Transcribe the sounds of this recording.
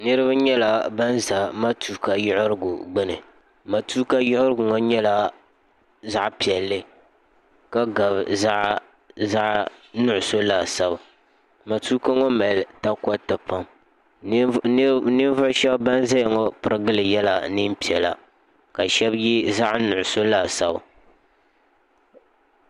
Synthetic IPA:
nɨ˦ɾɨ˦ba˦ɲɛ˦la˨ba˦nza˨ma˦tuː˨ka˨jʊ˦ʔʊ˦ɾɨ˦ɡʊ˨ɡ͡bɨ˦nɨ˨ | ma˨tu˦ka˦jʊ˦hʊ˦ɾɨ˦ɡʊ˨ŋɔ˦ɲɛ˦la˦ | za˦ʔpi˨ɛ˨lːɨ˦ | ka˦ɡa˨bza˦ʔ | za˦ʔnʊ˦ʔʊ˨so˦laː˨sa˦ba˨ | ma˨tuː˦ka˦ŋɔ˦mɛ˨lta˦kɔ˦tɨ˨pa˦m | nɨ˦n˦vʊ˦ʃɛ˦bba˦nza˦jŋɔ˦pɨ˦ɾɨ˦ɡɨ˦lɨ˨jɛ˦la˨nɨ˦mpi˨ɛ˨la̰˨ | ka˨ʃɛ˦bji˦za˦ʔnʊ˨ʔʊ˨so˦la˨sa˦bʊ˨

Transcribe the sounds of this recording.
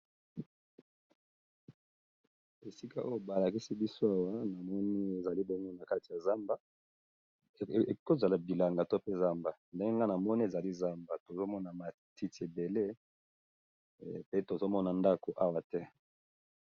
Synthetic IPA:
e˨si˦ka˦ʔo˦jo˦ba˨la˨ki˦si˦bi˦so˦a˦wa˦na˨mɔ˦ni˦e˨za˨li˦bo˦ŋɡo˦na˨ka˦ti˨ja˨za˦mba˦˨ | ko˦za˨la˨bi˨la˨ŋɡa˨to˦pe˦za˦mba˨nde˦ŋɡe˦ŋɡa˦na˨mɔ˦ni˦e˨za˨li˦za˦mba˨to˨zo˦mɔ˦na˨ma˨ | ti˦ti˨e˨be˨le˦ | pe˦to˨zo˦mɔ˦na˨nda˦ko˨ʔa˦wa˦tɛ˦

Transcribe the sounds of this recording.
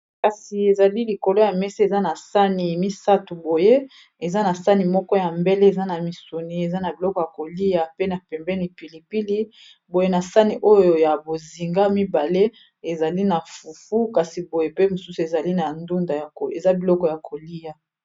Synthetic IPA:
ka˨si˨e˨za˨li˦li˨ko˨lo˦ja˨mɛ˦si˦e˨za˦na˨sa˦ni˨mi˦sa˦tu˨bo˨je˦ | e˨za˦na˨sa˦ni˨mɔ˦kɔ˦ja˨mbe˦le˦e˨za˦na˨mi˨su˨ni˨e˨za˦na˨bi˨lɔ˦kɔ˨ja˨ko˨li˦ja˨pe˦na˨pɛ˨mbɛ˦ni˨pi˨li˨pi˦li˦ | bo˨je˦na˨sa˦ni˨ʔo˦jjo˨ja˨bo˨zi˨ŋɡa˦mi˦ba˨le˦ | e˨za˨li˦na˨fu˨fu˦ka˨si˨bo˨je˦pe˦mo˨su˦su˨e˨za˨li˦na˨ndu˦nda˨ja˨ko˨e˨za˦bi˨lɔ˦kɔ˨ja˨kʰo˨li˦ja˨

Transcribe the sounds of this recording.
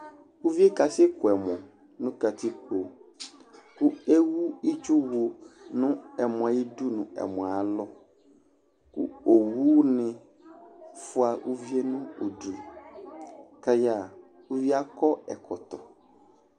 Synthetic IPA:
u˦vi˦e˦ka˨sɪ˦kʰʊ˨ɛ˨mɔ̃˨ | nʊ̃˦ka˨tʰi˦k͡po˨ | kʊ˦e˦wu˦i˦t͡ʃu˦wu˨nʊ̃˦ɛ˨m̃˨a˨ji˦du˦nʊ̃˨ɛ̰˨mɔ̃˨a˨lɔ˦ | kʊ̰˦o˨wu˦nɪ̃˨ | fʊ˦a˨ʔu˦vi˦e˦nʊ̃˦o˨du˨ | ka˨ja˨ | u˦vi˦a˦kɔ˦ɛ˨kʰɔ˨tɔ˨

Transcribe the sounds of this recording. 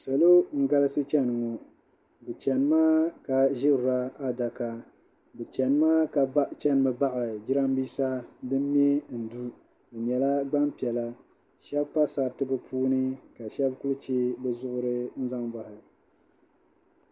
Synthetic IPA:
sa˨lo˦ŋ̩˦ɡa˦lɨ˦sɨ˦t͡ʃɛ˦nɨ˨ŋɔ˨ | bɨ˨t͡ʃɛ˨nɨ˦maː˦ka˨ʒɪ˦ɾʊ˨ɾa˦a˦da˨ka˨ | bɛ˨t͡ʃɛ˨nɨ˦maː˦ka˨t͡ʃɛ˦nɨ˨mɨ˨ba˦ʔa˨d͡ʒɪ˦ɾa˦m˦biː˦sa˦dɨ˦m˦m˦ɛ˦n̩˨du˦ | bɨ˨ɲɛ˨la˦ɡ͡ba˦mpi˨ɛ˨la˦ | ʃɛ˦bpa˦sa˨tɨ˦bɨ˦pʰuː˦nɨ˦ka˨ʃɛ˦bku˦lt͡ʃe˦bɛ˦zʊ˦ʔʊ˦ɾɨ˦n̩˦za˦ŋba˨hɪ˨

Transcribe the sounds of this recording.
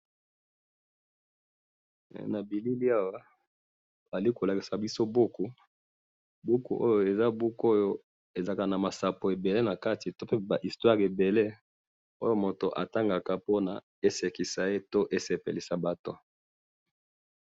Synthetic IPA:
na˨bi˨li˦li˦a˦wa˦ | a˨li˦ko˨la˨ki˨sa˨bi˦so˦bo˦ku˨ | bu˦kṵ˨ʔo˦jo˦e˨za˦bu˦ko˦jo˦ | e˨za˦ka˨na˨ma˨sa˨po˨e˨be˨le˦na˨ka˦ti˨to˦pe˦ba˨ʔi˨stwa˦ʁe˨be˨le˦ | o˦jo˦mo˨to˨ʔa̰˨ta˦ŋɡa˨ka˨po˦na̰˨ | e˦se˨ki˨sa˨e˦to˦ʔe˦se˨pḛ˨li˨sa˨ba˨to̰˦

